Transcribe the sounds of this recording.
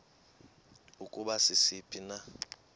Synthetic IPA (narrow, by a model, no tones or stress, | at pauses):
ukʼuɓasɪsipʼina